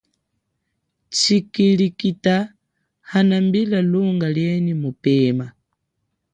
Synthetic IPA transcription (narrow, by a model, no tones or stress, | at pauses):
t͡ʃikilikita | hanambilaluŋɡaljɛnimupɛma